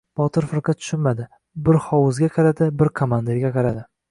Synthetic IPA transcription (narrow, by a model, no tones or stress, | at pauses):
b̥ɒt̪ʰɪɾfɪɾqɑt̪ʰʊ̥ʃʊnmad̪ɪ | bɪɾχɒwʊzɡʲaqʰɑɾad̪ɪbɪɾkʰomand̪eɡʲaqʰɑɾad̪ɪ